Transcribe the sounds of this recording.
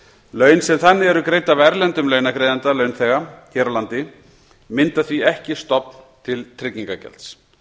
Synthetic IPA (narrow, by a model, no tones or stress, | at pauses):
lœːɥnsɛmθanːɪɛɾʏkɾeːjt̪avɛɾlɛnt̪ʏmlœːɥnakɾejðant̪alœɥnθɛɣaçɛːɾalant̪ɪ | mɪnt̪aθviɛhcɪst̪ɔpn̥t̪ʰɪlt̪ʰɾɪciŋkacɛ̰lt̪s